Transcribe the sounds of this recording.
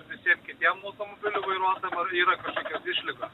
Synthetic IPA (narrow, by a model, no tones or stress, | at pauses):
ʋʲɪsʲiɛmkʲɪt̪ʲiɛmɐʊt̪omobʲɪlʲʊʋɐɪɾuɔt̪jmɐɾiːɾɐkɐʃkoːkʲɛsɪʃʲlʲɪɡɐ